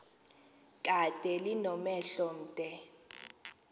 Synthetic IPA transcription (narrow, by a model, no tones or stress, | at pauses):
kʼatʼɛlinɔmɛɬɔn̩ːtʼɛ